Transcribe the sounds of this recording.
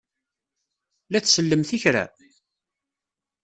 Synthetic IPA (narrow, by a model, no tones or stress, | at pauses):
læθsəlːəmθiçɾæ̰